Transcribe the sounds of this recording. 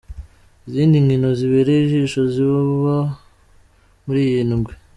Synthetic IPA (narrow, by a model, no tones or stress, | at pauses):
iziːndiŋɡinoziβeɾeiʒiʃoziβuβa | muɾiːjinumɡwe